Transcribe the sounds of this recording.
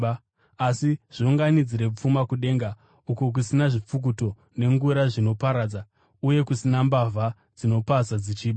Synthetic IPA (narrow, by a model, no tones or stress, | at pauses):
asiʐ̥iuŋɡanid͡ziɾe̞p͡fumakuɗe̞ːŋɡa | ukok̬usinaʐip͡fuk̬uto̞ | ne̞ŋɡuɾaʐino̞paɾaːd͡za | uje̞kusinambavʱa | d͡zino̞pasad͡zit͡ʃiːɓa